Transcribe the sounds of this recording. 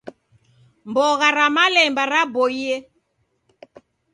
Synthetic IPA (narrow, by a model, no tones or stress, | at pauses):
mbɔɣaɾamalɛmbaɾabɔiɛ